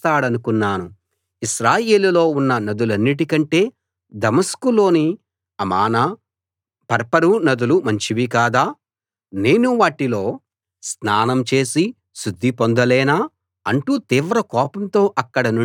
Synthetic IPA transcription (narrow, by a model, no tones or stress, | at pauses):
t̪aːɽɐnukunːaːnu | iʃɾaːje̞ːlulo̞ːunːɐnɐd̪ulɐnːiʈ̬ikɐɳʈe̞ː | d̪ɐmɐskulo̞ːni | ɐmaːnɐ | pɐɾpɐɾunɐd̪ulumɐɲt͡ʃiʋikaːd̪aː | ne̞ːnuʋaːʈilo̞ː | snaːnɐmt͡ʃe̞ːsi | ʃud̪ʱːipond̪ɐlɛːnaː | ɐ̰ɳʈut̪iːʋɾɐkɔːpɐmt̪o̞ːʔɐkːɐɽɐnu